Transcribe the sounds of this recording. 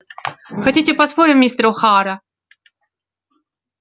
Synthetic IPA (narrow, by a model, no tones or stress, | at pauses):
xɐtʲitʲɪpɐspoɾʲɪmʲmʲist̪ɾʊxaɾɐ